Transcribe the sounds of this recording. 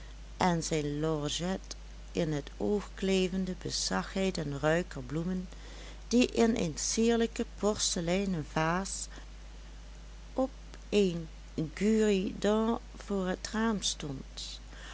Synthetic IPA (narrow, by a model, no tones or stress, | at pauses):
ʔɛnzɛjnlɔɹʒɛt | ʔɪnɦətoːxkleːvəndəbəzɑxɦɛjtɛnrœɥkəɹblumən | d̥iʔɪnə̰nsiːɹləkəpɔɹsəlɛjnənvaːs | ʔɔp | en | ɡyːridɑ̃ | v̥oːɹɦətraːmstɔnt